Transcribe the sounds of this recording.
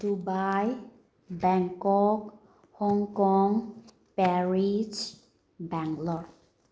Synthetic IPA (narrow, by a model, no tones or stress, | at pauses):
dubaj | bɛŋkɔk | hɔŋkɔŋ | pɛɾid͡ʒ | bɛŋɡlɔɾ